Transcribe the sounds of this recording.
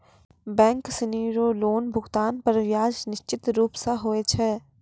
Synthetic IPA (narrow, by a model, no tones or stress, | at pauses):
bɛ̃ːŋksɪniːɾoːloːnbʱʊɡt̪aːnpɐɾʋjaːd͡ʒnɪʃt͡ʃɪt̪ɾuːpsaɦoːet͡ʃʰɛː